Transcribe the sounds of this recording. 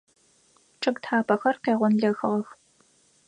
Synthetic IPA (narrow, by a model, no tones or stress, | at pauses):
ʈ͡ʂʼɨɡtħaːpʰɐxɐrqeːʁʷʊnɮɐxɨʁɐx